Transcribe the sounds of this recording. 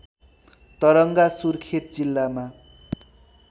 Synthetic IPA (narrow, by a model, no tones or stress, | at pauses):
t̪ʌɾʌŋɡasurkʰet̪̚d͡zilːama